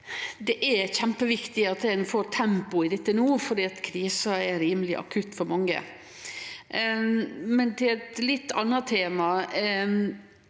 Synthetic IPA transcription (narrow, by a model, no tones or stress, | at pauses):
d̪ɛʔɛçæmpəʋɪkt̪ɪɑt̪ɛnfoːɾt̪ʰɛmpʊɪd̪ɛt̪ːənuːfɔɾɖ̪iːɑt̪kʰɾiːsɑɛɾiːməlɪʔɑ̰kʰʉt̪ːfɔɾmɑŋːə̰ | mɛnt̪ʰɪlɛt̪lɪt̪ːɑ̰nːɑt̪ʰeːmɑ